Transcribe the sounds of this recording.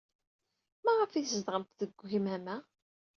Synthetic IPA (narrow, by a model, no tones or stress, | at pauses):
mæʁəfiθzd̪ʁəmt̪ðəɡʷːçmæmæ